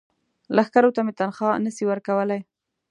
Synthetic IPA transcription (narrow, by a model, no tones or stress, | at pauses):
laxkaɾot̪amet̪anxɑnəsiwəɾkawəlaj